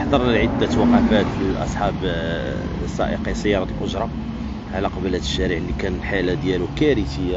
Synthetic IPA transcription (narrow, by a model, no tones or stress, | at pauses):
ħd̪ˤɑɾˤnlʕəd̪ːæt̪wɑqɑfæt̪ʔɑ̰sˤħɑb | sˤɑ̰ʔə̰qɑsːæjːɑɾˤɑt̪əlʔʊʒɾˤɑ | ʕalæqɑbəlhæt̪əʃːæɾəʕnːikænlħalad̪jælukæɾit̪əjːa